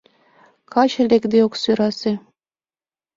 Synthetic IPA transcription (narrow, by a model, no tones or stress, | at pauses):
kʰɑɕɘ̆lekd̪eoksyɾɑse